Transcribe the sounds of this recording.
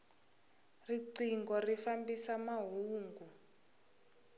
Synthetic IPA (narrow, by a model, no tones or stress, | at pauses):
riǀiŋɡɔrifambisamaɦuːŋɡu